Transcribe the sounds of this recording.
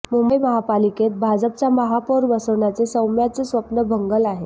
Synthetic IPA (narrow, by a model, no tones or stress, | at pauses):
mumbəjməɦapaliket̪̚bʱad͡zəp̚t͡saməɦapoɾʋəsəʋɳjat͡sesəwmjat͡səsʋəpnəbʱəŋɡəlaɦe